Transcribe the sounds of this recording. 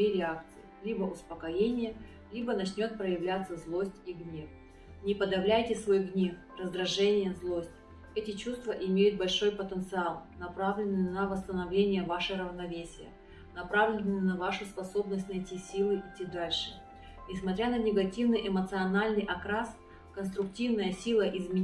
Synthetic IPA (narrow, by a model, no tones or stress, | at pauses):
iɾʲɪakt̪sɨɪlʲibəʔʊspəkɐjenʲɪjə | lʲibənɐt͡ɕnʲo̞t̪̚pɾəjɪvlʲat̪sːəzlˠo̞sʲtʲiɡnʲe̞f | nʲɪpəd̪ɐvlʲæjtʲɪsvo̞jɡnʲe̞f | rəzd̪ɾɐʐɛnʲɪjəzlˠosʲtʲ | ɛtʲɪt͡ɕust̪vəʔɪmʲejʊt̪̚bɐlʲʂo̞jpət̪ənt̪sɨalˠnɐpɾavlʲɪnːɨnɐvəst̪ənɐvlʲenʲɪjəvaʂɨɾəvnɐvʲesʲɪjə̰ | nɐpɾavlʲɪnɨjnɐvaʂʊspɐso̞bnəsʲtʲnɐjtʲisʲilˠɨʔɪtʲːid̪alʲʂɨ̥ | nʲɪsmɐt̪ɾʲanənʲɪɡɐtʲivnɨjʔɪmət̪sɨɐnalʲnɨjʔɐkɾas | kənst̪ɾʊk̚tʲivnəjəsʲilˠəʔɪzmʲɪ